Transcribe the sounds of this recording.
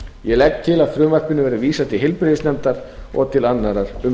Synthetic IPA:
jɛlɛk̚t̪ʰɪlaðfɾʏːmar̥kʏnʏvɛːɾɪviːsat̪ʰɪlɦɪlpɾɪðɪsnɛmt̪aɾ̥ɔ̰ɣt̪ʰɪlanːaɾaɾ̥ʏm

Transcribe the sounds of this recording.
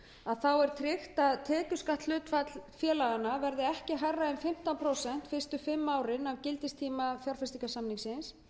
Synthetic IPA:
aðθawɛɾ̥t̪ʰɾɪxt̪aðt̪ʰɛːcʏ̥skaht̪lʏːt̪fat̪lfjɛːlaɣanːavɛɾðɪɛhcɪɦajrːaɛnfɪm̥t̪anpʰɾowsɛn̥t̪fɪr̥st̪ʏfɪmːaːwɾɪnavcɪlt̪ɪst̪ʰiːmaθjaɾ̥fɛst̪ikasamniŋsɪns

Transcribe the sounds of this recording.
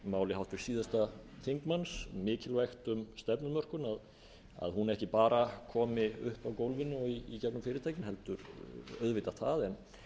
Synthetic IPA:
maːwlɪhawt̪fɪɾ̥siːðast̪aθiŋkmansmɪːcɪlvajxt̪ʏmst̪ɛpnʏmœr̥kʏnað | a̰ðhunɛhcɪpaːɾakʰɔːmɪʏhpawkowlvɪnːʏɔiːcɛpnʏmfɪːɾɪt̪aːjcɪnhɛlt̪ʏɾœðvɪt̪at̪θaðɛn

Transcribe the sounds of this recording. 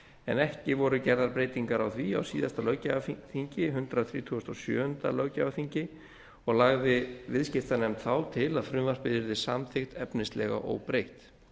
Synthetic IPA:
ɛnɛhcɪvɔɾʏcɛɾðaɾpɾeːjt̪iŋkaɾawθvia̰wsiːðast̪alœɣcaaθiɲcɪɦʏnt̪ɾaθɾḭːt̪ʰuast̪ɔsjœ̰ːʏnt̪a̰lœɣcavaθiɲcɪ | ɔɣlaɣðɪvɪðscɪft̪anɛmt̪θawt̪ʰɪlaðfɾʏmvaspɪðɪɾðɪsamθɪxt̪ɛpnɪst̪lɛɣa̰ʔo̰wpɾejht̪

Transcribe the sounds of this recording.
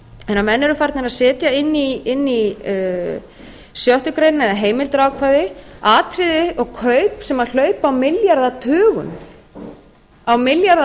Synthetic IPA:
ɛnːamɛnːɛɾʏfaɾt̪nɪɾaðsɛːt̪jaɪnːiɪnːi | sjœht̪ʏkɾeːjnnɛðaɦeːjmɪlt̪ɾaːwkʰvaðɪaːt̪ʰɾɪðɪɔɣkʰœɥpsɛmaðl̥œːɥpawmɪljaɾðat̪ʰœːɣʏ̰n | awmɪljaɾð

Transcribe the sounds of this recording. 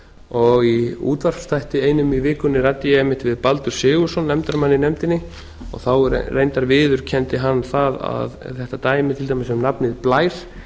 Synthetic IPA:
ɔɣiṵːt̪var̥fst̪ʰajht̪ɪeːjnʏmivɪːkʏnːɪrat̪ɪjɛmːɪht̪vɪðpalt̪ʏɾ̥sɪːɣʏsɔnːɛmt̪aɾmanːɪnɛmt̪ɪnːɪ | ɔ̰ɣθaw̰rejnt̪aɾvɪːðʏɾ̥cʰɛnt̪ɪɦanːθaða̰ðθɛht̪at̪aːjmɪt̪ʰɪlt̪ajmɪsɛmnapnɪðplaːjɾ̥

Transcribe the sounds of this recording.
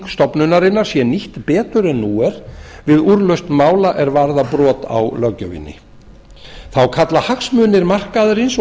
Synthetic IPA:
kst̪ɔpnʏnaɾɪnːaɾ̥sjɛniht̪pɛːt̪ʏɾɛnːuːɛɾ̥vɪðuɾlœɥst̪maːwlaʔɛɾvaɾðapɾɔːt̪a̰wlœcœvḭnːɪ̰ | θawkʰat̪lahaksmʏːnɪɾmar̥kaðʏɾɪns

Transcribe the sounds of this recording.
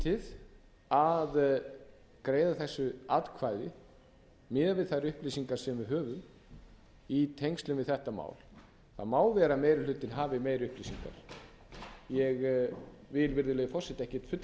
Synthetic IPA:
t̪ʰɪð | að | kɾeːjðaθɛsːʏat̪kʰvaːjðɪ | mɪːðavɪðθaɾʏhplisiŋkaɾ̥sɛmvɪɦœːvʏm | it̪ʰejŋst̪lʏmvɪðθɛht̪ama̰ːwl | θa̰ðmaːwvɛːɾameːjɾɪl̥ʏːt̪ɪnɦaːvɪmeːjɾʏhplisiŋka̰ɾ̥ | jɛɣ | vɪlvɪɾðʏleːjɣfɔrsɛt̪ɛhcɪt̪fʏt̪

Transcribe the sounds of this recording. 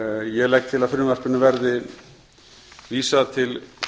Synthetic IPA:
jɛlɛjk̚t̪ʰɪlaðfʏɾmaspɪnːʏvɛɾðɪ | viːsaðt̪ʰɪl

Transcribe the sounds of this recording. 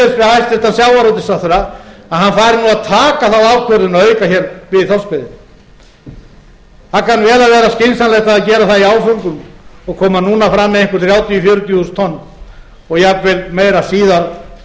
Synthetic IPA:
ɪsfɛhajst̪lɛht̪ansjaːwvaɾɔwt̪̬ɪsaθœɾaaðhanfaːjɾɪnuːaðt̪ʰaːkaθaðaːvkʰvœɾðʏnaœːɥkaçɛːɾvɪðθɔlspɪðɪm | θakanvɛːɾavɛːɾascɪnsanlɛxt̪aðaðcɛːɾaθaðiaːwfœŋkʏmɔɣkʰɔːmanuːnafɾamːɛðẽŋkʏɾ̥θɾjaːwt̪jɔfjʏːɾʏt̪ʰjuhust̪ʰɔnː | ɔɣjavɪlmeːjɾasiːðaɾ

